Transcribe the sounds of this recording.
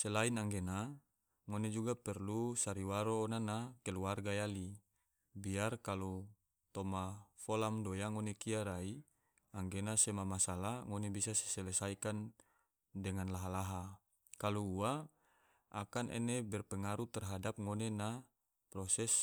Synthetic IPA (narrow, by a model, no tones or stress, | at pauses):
sɛlainaŋɡena | ŋoned͡ʒuɡapɛrlusaɾiwaɾoːnanakɛluarɡajali | biarkalu | t̪ɔmafɔlamdojaŋonekiaɾai | aŋɡenasɛmamasalaŋonebisasɛ̥sɛlɛsaikan | dɛŋanlaɦalaɦa | kaluua | ʔakanʔɛ̰nebɛrpɛŋaɾut̪ɛrɦadap̚ŋonena | pɾɔsɛs